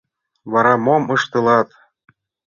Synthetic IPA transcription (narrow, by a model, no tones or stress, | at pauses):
βɑɾɑmomɤ̆ʃt̪ɤ̆lˠɑt̪